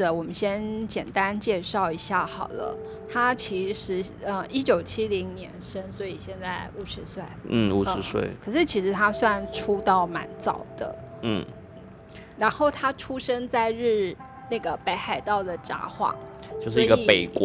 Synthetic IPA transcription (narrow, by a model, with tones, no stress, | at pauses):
wɔ˨˩mə˦nɕjɛ˥nt͡ɕjɛ˨˩nt̪a˥nt͡ɕjɛ˥˧ʂɑ˥˩ʊi˧˥ɕja˥˩xɑ˨˩ʊlə̰˦ | t̪ʰa˥t͡ɕʰi˧˥ʂɻ̩˧˥ | ə˧i˥t͡ɕjo˨˩ʊt͡ɕʰi˥li˧˥ŋnjɛ˧˥nʂə˥nswɔ˧˥i˨˩ɕjɛ˥˧nt͡sa˥˩ɪu˨˩ʂɻ̩˧˥swe˥˩ɪn̩˥˩u˨˩˥ɻ̩˧˥swḛ˥˩ɪkʰɤ˨˩ʂɻ̩˥˩t͡ɕʰi˧˥ʂɻ̩˧˥t̪ʰa˥swa˥˧nʈ͡ʂʰu˥t̪ɑ˥˩ʊma̰˧˥nt͡sɑ̰˨˩ʊd̪̥ə̰˦n̩˥˩˥ | ɻa˧˥nxo˥˩ʊt̪ʰa˥ʈ͡ʂʰu˥ʂə˥nt͡sa˥˧ɪɻ̩˥˩ | na˥˩ɡə˩pe˧˥ɪxa˨˩ɪt̪ɑ˥˩ʊd̪ə˩ʈ͡ʂa̰˧˥xwɑ̰˨˩˦ŋt͡ɕjo˥˧ʊs̬ʂ̩˥˧˥ɡəi˨˧˩pe˨˩ɪkw